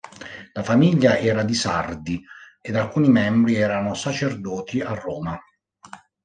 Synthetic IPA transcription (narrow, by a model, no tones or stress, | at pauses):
lafamiʎːaʔɛːɾad̪isa̰rd̪i | ed̪alkuːnimɛmbɾiɛːɾanosat͡ʃerd̪ɔːt̪ʰiarːɔːma